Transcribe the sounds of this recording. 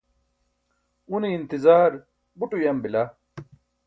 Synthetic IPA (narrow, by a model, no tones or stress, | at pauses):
uniːnt̪izaːɾ | buʈujɐmbila